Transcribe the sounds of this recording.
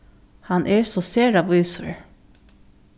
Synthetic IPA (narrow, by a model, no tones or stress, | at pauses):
hanʔɛɹsɔseːɹaʋuːsə̰ɹ